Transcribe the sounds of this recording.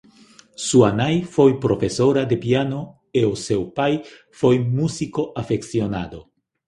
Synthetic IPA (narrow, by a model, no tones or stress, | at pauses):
suanajfojpɾofesoɾad̪epiano | eosewpaj | fojmusikoʔafeksiona̰d̪o